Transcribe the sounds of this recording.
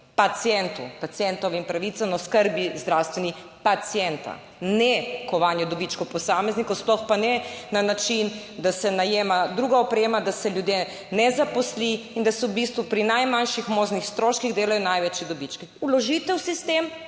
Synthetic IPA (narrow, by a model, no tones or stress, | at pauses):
pat̪sijɛnt̪upat̪sjɛnt̪ɔʋimpɾaʋit̪sanɔskəɾbizd̪ɾawst̪ʋɛni | pat̪sjɛnt̪a̰ | nɛkɔʋanjɛd̪ɔbit͡ʃkɔpɔsamɛznikɔwsplɔxpanɛnanat͡ʃin | d̪asɛnajeːmad̪ɾuːɡaɔpɾeːmad̪asɛljud̪je | nɛzapɔsliːnd̪asɔwbist̪ʋupɾinajmanʃixmoːʒnixst̪ɾoːʃkiɣd̪eːlajɔnajʋɛt͡ʃjɛd̪ɔbit͡ʃkɛulɔʒiːt̪ɛwsist̪em